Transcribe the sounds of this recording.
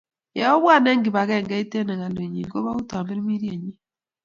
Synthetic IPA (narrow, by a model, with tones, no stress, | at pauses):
ja˨ɔ˦βwaː˦ne˦ŋɡi˨βa˨ɣɛ˦˨ŋɡa˦ite˦na˨ɣa˨lo˨ɲi˨ŋɡo˦βa˦u˦ta˨mbe˦ɾi˦mi˦ɾje˨ɲi˦